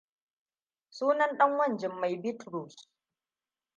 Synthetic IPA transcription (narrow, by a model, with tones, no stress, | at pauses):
suː˦nɐ˦nɗɐ˦ŋwɐ˦˨nd͡ʒɪ˨mːa˨jbɪ˦tɾu˨s